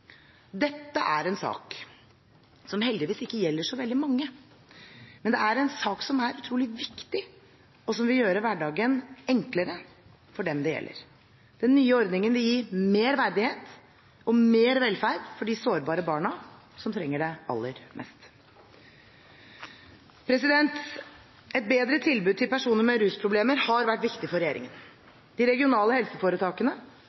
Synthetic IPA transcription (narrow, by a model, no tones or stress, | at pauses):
d̪ɛt̪ːəʔæɾɛnsɑ̰ːk | sɔmɦɛld̪ɪʋiːsɪkːəjɛlːəʂɔʋɛld̪ɪmɑŋːə | mɛnd̪ɛæɾɛnsɑːksɔmæɾʉt̪ʰɾuːlɪʋɪkt̪ɪ | ɔsɔmʋɪljøːɾəʋæɖɑːɡənɛŋkləɾə | fɔɖɛmd̪ɛjɛ̰lːə̰ɾ | d̪̥ɛnːyːəɔɾd̪nɪŋənʋɪljiːmeːɾʋæɾd̪ɪheːt̪ | ɔmeːɾʋɛlfæɾɖfɔɖɪsoːɾbɑːɾəbɑːɳɑ | sɔmt̪ʰɾɛŋːəɖɛʔɑ̰lːəɾmʔɛ̰st̪ | pʰɾɛsɪd̪ɛnt̪ | ɛt̪̚beːd̪ɾət̪ʰɪlbʉd̪̚t̪ʰɪlpʰæʂuːnəɾmɛɾʉːspʰɾʊbleːməɾhɑɾʋæʈːʋɪkt̪ɪfɔɾɛjeːɾɪ̰ŋən | d̪̥ɪɾɛɡɪʊnɑːləhɛlsəfoːɾət̪ʰɑːkənə